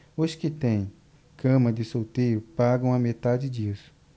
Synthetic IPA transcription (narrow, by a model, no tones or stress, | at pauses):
oskɪt̪ẽj̃ | kʰɐ̃mɐd̪ɪsot̪ejʊpaɡɐ̃w̃amet̪ad͡ʒɪd͡ʒiɐs